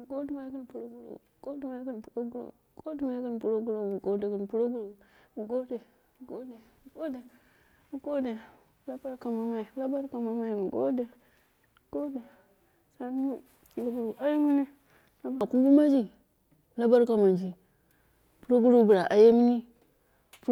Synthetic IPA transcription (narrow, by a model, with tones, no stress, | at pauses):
ɡo˦di˦ma˦ki˦npu˨ɾo˦ɡu˦ɾo̰˨˦ɡo˦di˦ma˦ki˦npu˨ɾo˦ɡɾo̰˨˦ɡo˦di˦ma˨i˦ki˦n˨pu˨ɾo˦ɡu˦ɾo˦˨ɡo˦de˨ku˦npu˦ɾo˦ɡu˦ɾo˨ɡo˦de˨ | ɡo˦de˨˦˨ɡo˦de˨˦ | ɡo˦de˨˦ | la˦ba˦ɾka˨ma˨ma˦i˨˦la˦ba˦ɾka˨ma˨ma˦i˨ɡo̰˦de˨ | ɡ̥o˦de˨ | sa˦˨ | ɾo˦ɡu˨ɾu˨a˦je˦mi˦ni˦ | a˦ba˨ku˦m˦bu˦ma˦d͡ʒi˦˨ | la˦ba˦ɾka˨ma˨nd͡ʒi˨ | pu˦ɾo˦ɡu˦ɾu˦˨bu˨ɾa˨ʔa˨je˦mi˦ni˦ | p